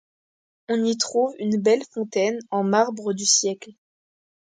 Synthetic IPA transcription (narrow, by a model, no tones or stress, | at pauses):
ɔ̃nit̪χuvynbɛlfɔ̃t̪ɛnɑ̃maʁbʁəd̪ysjɛkl